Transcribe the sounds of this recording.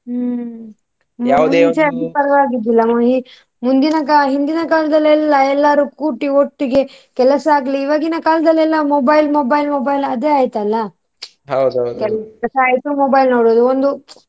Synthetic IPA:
aut͡ʃeɐd̪ipɐɾɐʋaːɡid̪ilːɐmɐɦi | mund̪inɐkaɦind̪inɐkaːlɐd̪ɐlːɛlːɐɛlːaːɾuːkuːʈːioʈːiɡe̞kɛlɐsɐaːɡɐliːʋaːɡinɐkaːlɐd̪ɐlːɛlːɐmoːbɐjlmoːbɐjlmoːbɐjlɐd̪e̞ːaːjt̪ɐlːɐ | ɦɐwd̪kɛlkɛlɐsɐaːjt̪umoːbɐjlnoːɽoːd̪uond̪u

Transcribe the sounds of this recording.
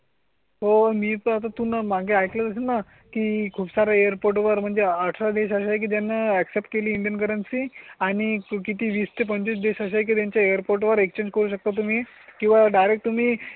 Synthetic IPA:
ɦomiːpəat̪at̪unamaɡʱeajklət̪əs̬ena | kiːkʰuːpsaɾaejəɾpoɾʈʋəɾm̤əɳd͡zeəʈʰɾad̪eɕaɕaekiːt̪janːaɛksep̚ʈ̚keliːɳɖijənkəɾənsiaɽ̃ikit̪iːʋiːst̪ʰepəɲt͡ɕis̬d̪eɕaɕaek̬it̪jaɲt͡ɕjaejəɾpoɾʈʋəɾekt͡ɕẽɲd͡ʑkəɾuːɕək̚t̪at̪̬um̤iːkĩw̃ʋaɖajɾekʈ̚t̪um̤iː

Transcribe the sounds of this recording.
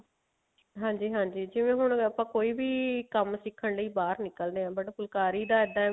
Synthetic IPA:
ɦãːɲd͡ʒiːɦãːɲd͡ʒiːd͡ʒɪʋẽːɦʊɳəpãːkoːiːbiːkəmsɪkʰːəɳləiːbaːɾnɪkəld̪eːãːbəɽpʊlkaːɾiːd̪aːɛd̪ã

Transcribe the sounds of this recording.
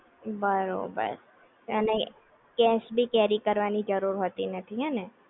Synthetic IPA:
bəɾo̰ːbə̰ɾ | ɛːne | kɛːsbʱikɛːɾikɐɾʋaːnid͡ʒəɾuːɾɦoːt̪inɐt̪ʰiɦɛːnɛ̃ː

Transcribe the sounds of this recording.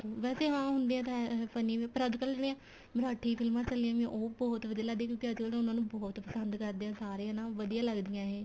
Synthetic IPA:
oʋɛːseːɦãːɦʊnd̪eːãːt̪ãpʰəniːʋẽːpəɾəd͡ʒkəlmɛ̃ | məɾaːʈʰiːpʰɪlmãːt͡ʃəlijãːmẽʔoːbɔːt̪ʋəd̪ijaːləɡd̪ẽːkjõːkɪəd͡ʒkəlt̪ːʊnãːnũːbɔːt̪pəsənd̪kəɾd̪eːãːsaːɾeːãːnaːʋəd̪ijãːləɡd̪ɪjãːɦeː

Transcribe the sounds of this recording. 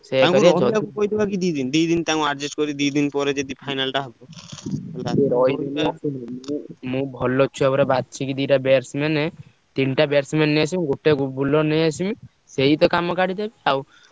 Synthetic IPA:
seãkaiɔdak̪ukojd̪ibakid̪ujd̪ind̪ujd̪int̪aũaɾd͡ʒesʈkɔɾid̪ujd̪inpɔɾed͡ʒed̪ipʰajnalʈaɦɔbɔ | liɾɔjd̪inat͡ʃimmũmũbʱɔlɔt͡ʃʰuɛbɔɾebad̪̚t͡ʃʰikid̪iʈabeɾsmenɛ | t̪inʈabeɾsmenːejasʰimɡoʈeɡubʱulɔnejasimi | seit̪ɔkamɔkaɽid̪ebiaw

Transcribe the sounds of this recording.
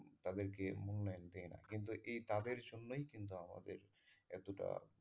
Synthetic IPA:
t̪ad̪eɾk̬emunlajnd̪eena̰kint̪̬uʔejt̪ad̪eɾd͡ʑonːojkint̪̬uama̰d̪eɾ | ɛt̪uʈa̰

